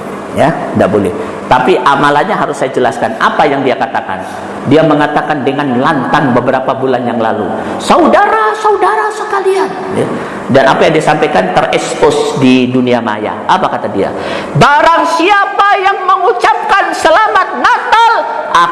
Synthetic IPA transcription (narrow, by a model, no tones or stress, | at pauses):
jadaʔbolɛh | t̪apiʔamalaɲaɦaɾʊsːajad͡ʒəlaskanapajaŋdiakat̪aka̰n | diaməŋat̪akandəŋanlant̪aŋbəbəɾapabulanjaŋla̰lu | saudaɾasaudaɾasəkalian | ja | danapajaŋdiasampajkant̪ərɛkspɔsdiduniama̰ja̰apakat̪adia̰ | baɾaŋsiapajaŋməŋut͡ʃap̚kansəlamat̪̚nat̪al | ʔa